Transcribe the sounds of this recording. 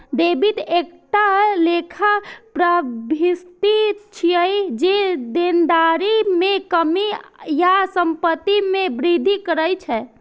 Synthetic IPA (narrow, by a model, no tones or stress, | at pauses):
d̪ebit̪ek̚ʈalekʰapɾəbʱist̪it͡ʃʰiəjd͡ʒed̪end̪aɾimẽkəmijasəmpət̪ːimẽbɾid̪ʱikəɾəjt͡ʃʰɛ